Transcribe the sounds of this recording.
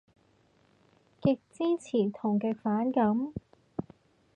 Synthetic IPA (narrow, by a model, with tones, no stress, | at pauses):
kɪ˧k̚t͡siː˥t͡sʰiː˨˩t̪ʰʊ˨˩ŋkɪ˧k̚faː˨˥nkɐ˨˥m